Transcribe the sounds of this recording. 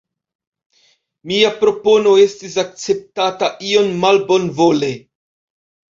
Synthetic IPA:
miapɾo̞po̞no̞e̞stis̬ak̚t͡se̞p̚tataʔio̞nmalbo̞nvo̞le̞

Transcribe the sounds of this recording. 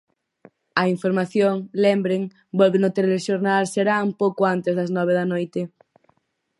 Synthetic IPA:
ɐiɱfoɾmaθjoŋlembɾeŋ | bɔlβenʊt̪elleʃoɾnalseɾauŋpowkoant̪ezðɐznɔβ̞eðɐnojt̪e

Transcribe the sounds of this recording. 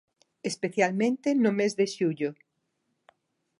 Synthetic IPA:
espeθjalmẽnt̪enʊmezðeʃuʎʊ

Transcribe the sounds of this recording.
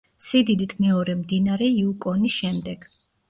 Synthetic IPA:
sid̪id̪it̪ʰmɛɔɾɛmd̪inaɾɛiukʼɔnisʃɛmd̪ɛɡ̥

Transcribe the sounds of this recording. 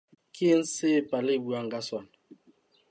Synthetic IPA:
kʰin̩sepalibuaŋɡaswan

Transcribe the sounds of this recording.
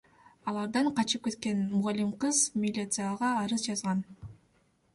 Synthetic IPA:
ɑlˠɑɾd̪ɑɴqʰɑt͡ʃɯp̚ke̞t̪̚ke̞nmʊʁɑlʲːimqɯzmʲɪlʲit̪sɨjaʁɑːɾɯzd͡ʒɑzʁɑn

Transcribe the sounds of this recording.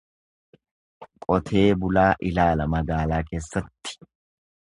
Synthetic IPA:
kʼɔt̪ʰe̞ːbʊlaːʔɪlaːlɐmɐɡaːlaːke̞ːsːɐt̪ːɪ̥

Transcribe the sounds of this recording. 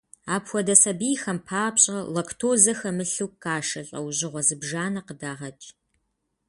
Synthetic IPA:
aːpʰwʷɔdɐsɐbijxɐmpʰaːpɕʼɐlɐkʰtʰoːzɐxɐmɨɬɨwkaːʃɐɬʼɐ̰wʑɪʁʷɔzɨbʒaːnɐqədaːʁɐt͡ʃʼ

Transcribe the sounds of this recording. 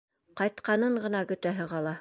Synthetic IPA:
qɑjt̪qɑnɤɴɢɤ̆nɑɡɵ̆t̪æɦɘ̆ʁɑlˠɑ

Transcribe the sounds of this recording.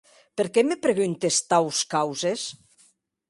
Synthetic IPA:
peɾkɛmepɾeɣunt̪est̪awskawzes

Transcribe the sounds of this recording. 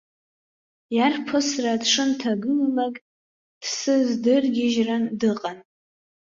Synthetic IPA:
jarpʰɨsradʂɨntʰaɡɨlalakʼ | d̥sɨzdɨrɡʲɪʒrandɨqʼan

